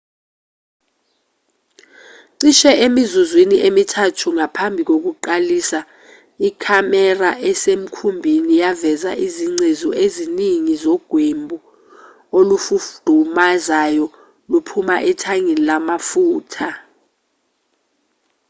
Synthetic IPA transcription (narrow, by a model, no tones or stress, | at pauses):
ǀiʃɛʔemizuzwiniʔemitʰatʰuŋapʰambʱik̬ok̬uǃalisa | ikʰamɛraʔɛsem̩kʰumbʱinijavɛzaʔiziŋ͡ǀezɔʔeziniŋizɔɡ̥ʱwembʱu | olufufd̥ʱumazajɔ | lupʰumaʔɛtʰaŋɛnilamafuːtʰa